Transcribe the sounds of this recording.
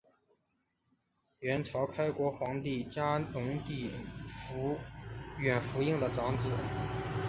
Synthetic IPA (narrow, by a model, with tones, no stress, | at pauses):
ɥɛ˧˥nt͡sʰɑ˧˥ʊkʰa˥ɪkwɔ˧˥xwɑ˧˥ŋt̪i˥˩t͡ɕja˥nʊ˧˥ŋt̪i˥˩f | ɥɛ˨˩nfu˧˥i˥˩ŋd̪ə˩ʈ͡ʂɑ˧˥ŋt͡sɹ̩˨˩˦